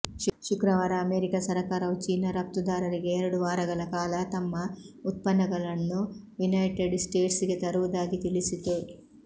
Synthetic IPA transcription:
ʃʃukɾɐʋaːɾɐɐmeːɾikɐsɐɾɐkaːɾɐwt͡ʃiːnɐɾɐp̚t̪ud̪aːɾɐɾiɡeːɾuɽuʋaːɾɐɡɐlɐkaːlɐt̪ɐmːɐut̪̚pɐnːɐɡɐlɐnːu | junɐjʈeɖsʈeːʈsɡet̪ɐɾuud̪aːɡit̪ilisit̪eː

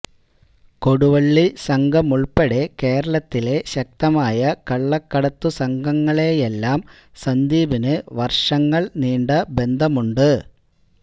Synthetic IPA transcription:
ko̞ɽuʋɐɭːisɐŋɡʱɐmuɭpɐɽe̞ke̞ːɾɐɭɐt̪ːile̞ɕɐk̚t̪ɐmaːjɐkɐɭːɐkːɐɽɐt̪ːusɐŋɡʱɐŋːɐɭe̞jelːaːm | sɐnd̪iːbinɨʋɐrʂɐŋːɐɭniːɳɖɐbe̞nd̪ʱɐmuɳɖɨ

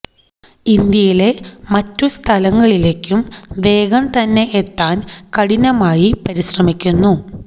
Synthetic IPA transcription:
ind̪jɐjile̞mɐtːust̪ʰɐlɐŋːɐɭile̞ːkʲːumʋe̞ːɡɐmt̪ɐnːe̞ʔet̪ːaːnkɐɽinɐmaːjipɐɾiɕrɐmikʲːunːu

